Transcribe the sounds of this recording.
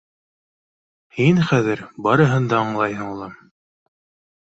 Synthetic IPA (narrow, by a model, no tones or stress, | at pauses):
hinχæðɘɾbɑɾɤ̆ɦɤnd̪ɑɑɴlˠɑjɦɤɴulˠɑ